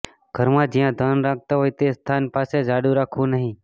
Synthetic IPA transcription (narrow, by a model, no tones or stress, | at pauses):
ɡ̥ʱəɾmãːd͡ʒijãːd̪ʱanɾak̚ʰt̪aɦoːjt̪est̪ʰaːnpaːsed͡ʒaːɽũɾaːkʰʋũnəɦĩ